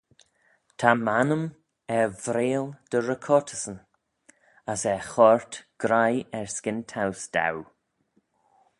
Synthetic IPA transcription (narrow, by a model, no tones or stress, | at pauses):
t̪ʰamanəm | ɛvɾeːld̪̥əɹəkʰɔɹtʰəsən | əsɛxɔɹt̪ɡ̥ɾajɛɹskɪnt̪ʰawsd̥̪a̰w